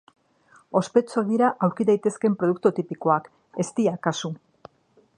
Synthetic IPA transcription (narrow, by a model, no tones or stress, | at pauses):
o̞spe̞t͡soðiɾaʔawɾkiðajt̪e̞ske̞mpɾo̞ð̞uk̚t̪ut̪ipiko̞ak | e̞st̪iakasu